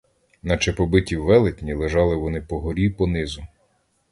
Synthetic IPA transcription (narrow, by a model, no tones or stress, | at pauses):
nɐt͡ʃepɔbɪtʲiwʋːɛlˠɪtʲnʲilˠeʒɑlˠɪʋɔnɪpɔɦɔɾʲipɔnɪzʊ